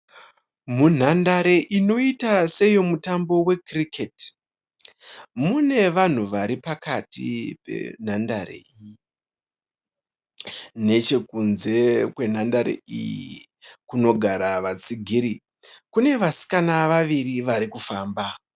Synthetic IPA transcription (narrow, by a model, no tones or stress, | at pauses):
mun̤andaɾe̞ʔino̞itase̞jo̞mutambo̞we̞krikʰet | mune̞ʋan̤uʋaɾipakatḭpe̞̰n̤andaɾḛiji | ne̞t͡ʃe̞kunze̞kwe̞n̤andaɾḛḭjḭ | kuno̞ɡʱaɾaʋat͡siɡʱiɾi | kune̞ʋasi̥kanaʋaʋiɾiʋaɾikufaːmba